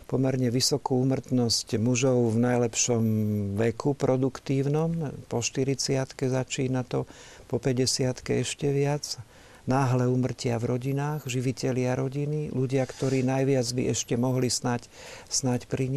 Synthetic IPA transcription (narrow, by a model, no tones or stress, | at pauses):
pɔmɛɾɲɛʋisɔkuuːmr̩t̪nɔscmuʒɔʊvnajlɛpʃɔmʋɛkʰupɾɔd̪ukt̪iːʊnɔmpɔʃt̪iɾit͡sɪat̪kɛzat͡ʃiːnat̪ɔ | pɔpɛɟɛsɪat̪kɛɛʃcɛʋɪad͡z | naːɦlɛuːmr̩cɪavɾɔɟinaːɣʒiʋicɛlɪaɾɔɟiniluɟɪakt̪ɔɾiːnajʋɪad͡zbḭʔɛʃcɛmɔɦlisnac | snacpɾiɲ